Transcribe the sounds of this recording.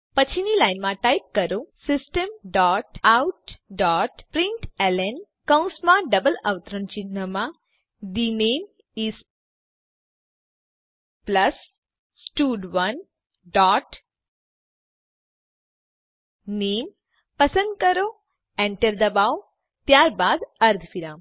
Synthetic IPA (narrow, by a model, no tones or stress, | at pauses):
pət͡ɕʰinilajnmãʈajp̚kəɾosisʈəmɖɔːʈawʈ̚ɖɔːʈpɾĩɳʈɛlen | kãw̃nsmãɖəbəlɐʋt̪ɾənt͡ɕinːəmã | d̪ineːm | iz | plɐs | sʈuːɖʋɐn | ɖɔːʈ | neːm | pəsə̃nd̪̚kəɾo | eɳʈəɾd̪ɐbaːw | t̪jaːɾbaːd̪ɐɾd̪ʱfiɾaːm